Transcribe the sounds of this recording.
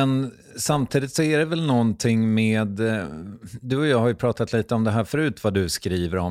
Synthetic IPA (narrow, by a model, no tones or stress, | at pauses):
ɛn | samt̪ʰiːd̪ɪt̪sɔæɖɛvɛlnɔnt̪ʰɪŋːmeːd̪ | d̪ɵɔjɑːɡhaɾjɵpʰɾɑːt̪at̪ʰliːt̪əɔmd̪ɛɦæːɾfœɾʉ̟ːt̪vad̪ɵskɾiːvəɾɔm